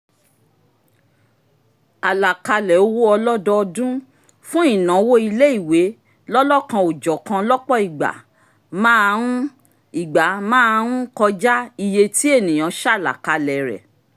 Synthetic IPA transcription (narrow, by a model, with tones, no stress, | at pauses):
a˨la˨ka˧lɛ˨o˦wo˦ɔ˧lɔ˦dɔ˧ɔ˧dũ˦ | fũ˦i˦˨nã˨˦wo˦i˧le˦i˦˨we˨˦ | lɔ˦lɔ˦˨kã˧o˨d͡ʒɔ˨˦kã˧lɔ˦k͡pɔ˦˨i˨ɡ͡ba̰˨ | mãː˦˧ɾ̃ũ˦ | i˨ɡ͡ba˨˦mãː˦˧ɾ̃ũ˦kɔ˧d͡ʒa˦i˧je˧ti˦e˦˨nĩ˨j̃ã˨˦ʃa˦˨la̰˨ka˧lɛ˨ɾɛ̰˨